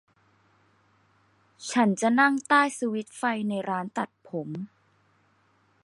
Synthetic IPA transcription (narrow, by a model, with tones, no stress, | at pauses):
t͡ɕʰa˦˥nt͡ɕa˨˩na˥˩ŋt̪aː˥˩jsu˧wi˦˥t̪̚fa˧jna˧jɾaː˦˥nt̪a˨˩t̪̚pʰo˩˦m